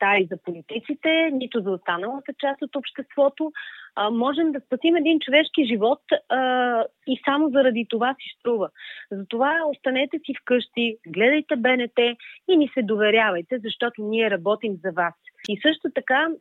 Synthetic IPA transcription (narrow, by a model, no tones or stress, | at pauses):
t̪aizɐpolit̪it̪sit̪ɛnit̪ʊzɐost̪anəlˠət̪ət͡ʃast̪ot̪opʃt̪ɛst̪vɔt̪omɔʒɛmd̪ɐspɐsimɛd̪int͡ʃovɛʃkiʒivɔt̪ː | isamozɐɾɐd̪it̪ovasist̪ɾuvəzɐt̪ovaost̪ɐnɛt̪ɛsifkɤʃt̪iɡlɛd̪əjt̪ɛbɛnɛt̪ɛinisɛd̪ovɛɾjavɐjt̪ɛzɐʃt̪ɔt̪oniɛɾɐbɔt̪imzɐvasisɤʃt̪ot̪ɐka